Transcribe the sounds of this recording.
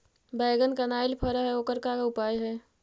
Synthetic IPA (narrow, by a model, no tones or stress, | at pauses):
bɛːɡənkənaːɪlpʰəɾəɦɛoːkəɾkakaʊpaːjɦɛː